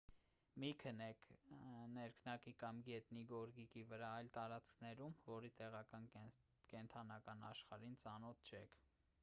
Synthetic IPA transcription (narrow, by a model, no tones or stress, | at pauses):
mikʰənɛknɛɾkʰnɑkikɑmɡɛt̪niɡɔɾɡikivəɾɑɑjlt̪ɑɾɑt͡skʰnɛɾumvɔɾit̪ɛʁɑkɑn | kɛnt̪ʰɑnɑkɑnɑ̰ʃχɑɾint͡sɑnɔt̪̚ʰt͡ʃʰɛkʰ